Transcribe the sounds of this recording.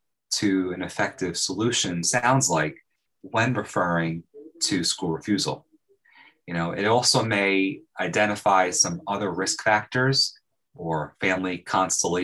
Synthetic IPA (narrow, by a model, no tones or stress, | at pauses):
tʰɨɨ̃nɨfɛk̚tɨv̥səlʉʃɨ̃nsãʊ̃ndzlaɪk | wɨ̃nɹɨfɜ˞ɪ̃ŋtʰɨskuɹfjʉzl̩ˠ | jɨnoʊʔɨɾɔlˠsoʊmeɪaɪdɛ̃ɾ̃ɨfaɪsʌ̃mʌðə˞ɹɪskfæk̚tə˞z | ə˞fæ̃mlikʰɑ̃nstə̃nʔli